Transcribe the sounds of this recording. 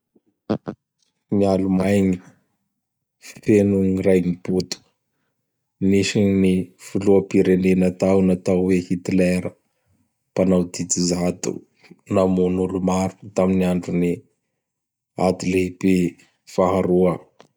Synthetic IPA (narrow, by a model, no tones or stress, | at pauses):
mialumajɲi | fenuɲirajɲiput̪u̥ | niʃinifuluəpiɾenenat̪awnat̪awwehit̪ilɛɾə | panawd̪it̪izat̪ṵ | namunulumaɾut̪aminiaɳɖ͡ʐuni | ad̪ileibe | faɦaɾuə